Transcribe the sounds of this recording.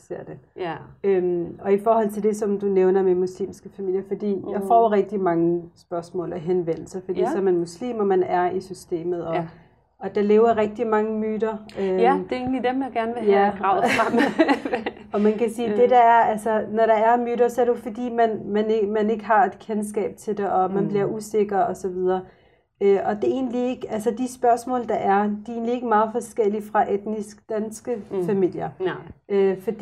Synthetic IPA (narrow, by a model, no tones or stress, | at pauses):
se̝ɐ̰d̥e̝ | ømɒ̽ifɒːhɒ̽l̰t͡sʰe̝ld̥e̝sɒ̽md̥uneʊnɐmemuslḭːmsɡ̥əfæmil̰jɐfɒ̽d̥ḭːjɑ̈ɪfɒ̰ːʁɛɡ̥̚d̥imɑ̈ŋəsb̥ɶɐsmɔ̰̽ːlɒɦenʋen̰l̩sɐfɒd̥ḭsɒmænmuslḭːmɒmænæɐisysd̥e̝̰ːmð̞̩ˠɒ | ɒ̽d̥ɑ̈le̝ːʊɐʁɛɡ̥̚d̥imɑ̈ŋəmyːd̥ɐød̥e̝e̝̰ːnlid̥emjäɡ̥æɐnʋejæɡ̥ʁɑ̈ʊɑm | ɒ̽mænkʰæsiːd̥e̝d̥ɑæɐælsɐnɒɾɑ̈æɐmyːɾɐsɒ̽æɐɾejofɒ̽d̥ḭːmænmæneɡmæne̝ɡ̥əɦɑ̈e̝d̥kʰens̬ɡ̥ɛ̰ːb̥̚t͡sʰe̝ld̥e̝ʔɒ̽mænb̥liɐʔuse̝ɡ̥ɐɒ̽sɒ̽ʋið̞ˠɐː | øɒ̽d̥e̝e̝̰ːnlie̝ɡ̥əælsɐd̥isb̥ɶɐsmɔ̰ːld̥ɑ̈ʔæɐd̥ie̝̰ːnlie̝ɡ̥əmɑ̈ːð̞̩ˠfɒ̽sɡ̥el̰ifʁɑ̈ʔed̥nisɡ̥d̥ænsɡ̥əffæmil̰jɐøfɒ̽d̥i